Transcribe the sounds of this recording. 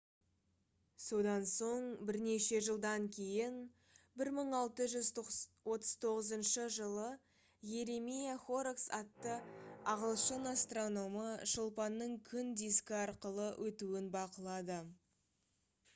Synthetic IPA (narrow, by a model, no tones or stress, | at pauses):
so̞d̪ɑnso̞ɴbɪɾne̞ʃe̞ʒəlˠd̪ɑŋkʲʰe̞jɪn | bɪɾməɴɑlˠt̪əʒʏzwʔo̞t̪əz̥t̪ʰo̞ʁəzənʃəʒəlˠə | je̞ɾemijaχo̞ɾksɑt̪ːəɑʁəlˠʃənast̪ro̞no̞məʃəlˠpɑnːəɴkʲʰʏnd̪iskʲɪɑɾqəlˠəwʔɵt̪uɪnbɑqəlˠɑd̪ə